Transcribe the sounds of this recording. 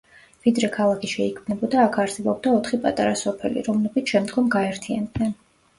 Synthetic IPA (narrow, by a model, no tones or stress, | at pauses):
vid̪ɾɛkʰalˠakʰiʃɛikʰmnɛbɔd̪aːkʰaɾsɛbɔb̚d̪aɔt̪ʰχipʼat̪ʼaɾasɔpʰɛ̰lḭɾɔmlɛbit̪ʰʃɛmd̪ɡɔmɡaɛɾt̪ʰia̰nd̪nɛn